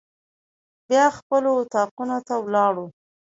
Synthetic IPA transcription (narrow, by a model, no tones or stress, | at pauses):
bjɑxpəloʊt̪ɑqunot̪awlɑɽu